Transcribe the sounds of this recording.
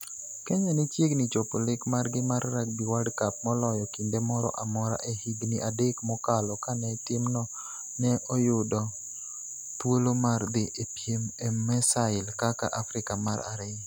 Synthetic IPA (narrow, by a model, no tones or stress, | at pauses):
kɛɲanɪt͡ʃjeɡnit͡ʃopolɪkmarɡɪmaɾːak̚biwadkap̚mɔlɔjɔkindemɔɾɔ̰ʔamɔɾa̰ʔehiɡniʔadekmɔkalɔkanɛtɪmnɔ | nɛʔɔjʊdɔ | t̪wolomard̪ɪʔepjemɛmːɛsaɪlkaka̰ʔafɾɪkamaɾa̰ɾe